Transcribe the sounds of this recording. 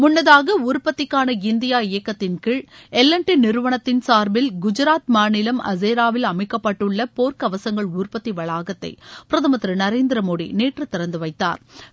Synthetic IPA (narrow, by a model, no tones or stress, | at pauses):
mʊnːɐðaːɣɐuːɾpɐt̪ːɪkːaːnɐɪnd̪ɪjaːɪjɐkːɐt̪ːɪnkɪɻɛlːɐɳʈɪnɪɾɯʋɐɳɐt̪ːɪnsaːɾbɪlɡʊd͡ʒɐɾaːt̪maːnɪlɐmɐ̰zeːɾaːʋɪlɐmɐɪkːɐpːɐʈːɯɭːɐpoːɾkɐʋɐsɐŋɡɐɭuːɾpɐt̪ːiʋɐɭaːɣɐt̪ːɐ̰ɪpɪɾɐðɐmɐt̪ɾɯnɐɾeːnd̪ɪɾɐmoːɽḭneːʈrɯt̪ːɪɾɐnd̪ɯʋɐɪt̪ːa̰ːɾ